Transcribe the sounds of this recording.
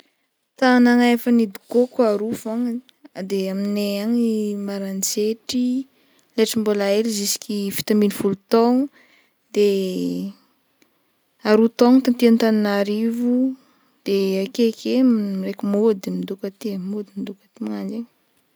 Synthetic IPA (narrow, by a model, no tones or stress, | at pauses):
t̪anaŋaefanid̪i̥kokaɾufaŋ | ad̪eamineaɲimaɾant͡seʈ͡ʂi | leʈ͡ʂimbolaelizisi̥kʲifi̥t̪ambinifulut̪ɔŋu | d̪e | aɾut̪oŋt̪ant̪iant̪aninaɾivu | d̪̥eakekʰemmiɾekimod̪mind̪ukat̪imod̪imind̪ukət̪imaŋand͡ʒeɲ